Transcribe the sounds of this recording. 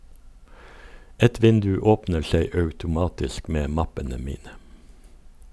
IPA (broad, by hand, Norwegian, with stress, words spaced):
ˈɛt ˈʋɪndʉ ˈoːpnə ˈʃeɪ ɑʉtʊˈmɑːtɪsk ˈmeː ˈmɑpənə ˈmiːnə